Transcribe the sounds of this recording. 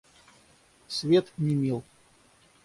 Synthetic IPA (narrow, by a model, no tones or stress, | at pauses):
sʲvʲet̪nʲɪmʲilˠ